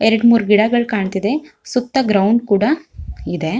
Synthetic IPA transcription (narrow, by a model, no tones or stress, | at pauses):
eɾɐɖmuːɾɡiɽaɡɐɭkaːɳt̪id̪e̞sut̪ːɐɡɾɐwɳɖkuːɽaid̪e̞